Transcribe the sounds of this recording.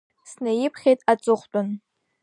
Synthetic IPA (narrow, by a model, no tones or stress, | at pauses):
snɨjɪpʰχʲejtʼat͡sʼʊχʷtʼʊn